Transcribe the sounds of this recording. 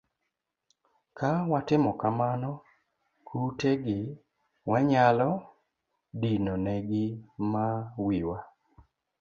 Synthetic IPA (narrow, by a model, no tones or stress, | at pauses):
kawatɪmɔkamanɔ | kʰuteɡɪ | waɲalɔ | dinoneɡɪmawiwa